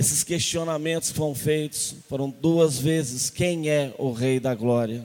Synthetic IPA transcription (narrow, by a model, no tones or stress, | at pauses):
esɪskest͡ʃionamẽnt̪ʊ̥skɪfoɾɐ̃w̃fejt̪ʊ̥sfoɾɐ̃w̃d̪uɐzvezɪskẽj̃ɛʊɦejd̪ɐɡlɔɾiɐ